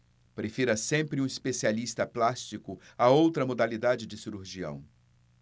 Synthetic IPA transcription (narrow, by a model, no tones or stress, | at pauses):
pɾefiɾɐsẽmpɾɪũispesialist̪ɐplast͡ʃikʊ | aowt̪ɾɐmod̪alid̪ad͡ʒɪd͡ʒɪsiɾuɾʒiɐ̰̃w̃